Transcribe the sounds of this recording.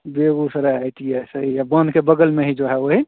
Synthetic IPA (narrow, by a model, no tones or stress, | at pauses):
beɡusəɾaaɪʈiasəɦijabənd̪kebəɡəlmeɦid͡ʒoɦɛoɦi